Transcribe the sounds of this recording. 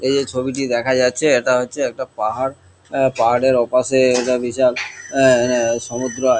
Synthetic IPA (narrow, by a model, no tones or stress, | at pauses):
ejd͡ʑet͡ɕʰobiʈid̪ɛkʰad͡ʑatːɕʰeeʈaɦotːɕʰeɛk̚ʈapaɦaɽ | paɦaɽeɾɔpaʃeeʈabiʃal | ʃɔmud̪ɾo